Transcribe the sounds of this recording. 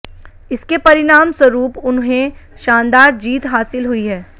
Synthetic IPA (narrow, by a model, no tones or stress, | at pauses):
ɪskepɐɾɪnaːmswɐɾuːpʊnɦẽʃãːnd̪aːɾd͡ʒiːt̪ɦaːsɪlɦʊiɦɛː